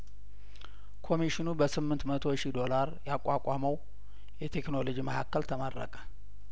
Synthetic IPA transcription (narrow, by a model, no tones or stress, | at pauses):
kʰo̞miʃinubəsɨmːɨnt̪mət̪ʰo̞ʃid̪o̞laɾjakʼːakʷʼaməw | jɛt̪ʰe̞kno̞lod͡ʒiməhakːəlt̪ʰəməɾːə̰kʼə̥